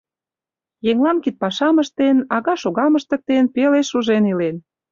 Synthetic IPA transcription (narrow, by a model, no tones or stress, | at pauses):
jeŋlɑnkit̪̚pɑʃɑməʃt̪enɑɣɑʃoɣɑməʃt̪ə̆k̚t̪enpeleʃuʒenilen